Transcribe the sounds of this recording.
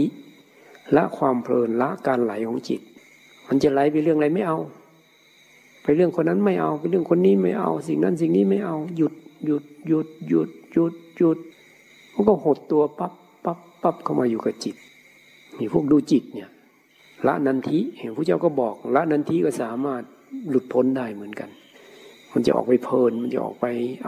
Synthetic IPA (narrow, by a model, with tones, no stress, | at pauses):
i˧˥ | la˧˥ʔkʰwaː˧mpʰlɤː˨˩nla˧˥ʔkaː˨nla˨˦jkʰɔː˨˦ŋt͡ɕḭ˨˩t̪̚ | ma˧˥nt͡ɕa˧˩la˨˦jpa˧˦lɯ˥˩əŋda˧˦jma˥˩jʔa˧w | pa˨jlɯ˧˩əŋkʰo˧nːa˧˥˨nma˧˩jʔa˧wpa˨lɯ˧˩ə˨ŋkʰo˧˥nːiː˧˥˨ma˧˥˩jʔa̰˧˨wsi˨ŋna˧˥˨ns̬i˨ŋniː˧˥˨ma˥˩˨jʔa˧wju˧˦t̪̚ju˧t̪̚ju˧t̪̚ju˧t̪̚ju˧t̪̚ju˧t̪̚ | mʰa˧˨ka˧˩who˧˩t̪ːu˧ɐpa˧˥pːa˧˦pːa˧˩p̚kʰa˧˩wmaː˧juː˧˨ka˨˧˩t͡ɕi˨˩t̪̚ | miː˧˩pʰu˥˩ək̚duː˧˩t͡ɕi˨˩t̪̚ni˧˩˨ | la̰˧˥ʔna˧nt̪ʰi˧˥˨ha˨pʰu˧˨t͡ɕa˧˩wkɔ˧˩bɔː˨˩k̚la˧˥ʔna˧nt̪ʰiː˧˥˨kɔ˧˩saː˨˦maː˧˩t̪̚ | lu˨˧˩t̪̚pʰo˧˥ndaː˧˩jmɯ˩˦ənka̰˨n | ma˧˥˨nt͡ɕa̰˧ʔɔ̰ː˨˩k̚pa˧˦jpʰɤː˧nma˧˥nt͡ɕa̰˧˨ʔɔ̰ː˨˩k̚pa˨j